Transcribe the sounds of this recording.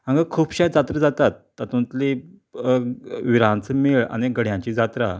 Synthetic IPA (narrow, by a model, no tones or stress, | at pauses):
ãŋɡəkʰuːpɕajd͡zat̪ɾəd͡zat̪at̪ːat̪ũnt̪li | ʋiɾãnt͡səmeɭa̰neɡəɽ̤jãɲt͡ɕiːd͡zat̪ɾa̰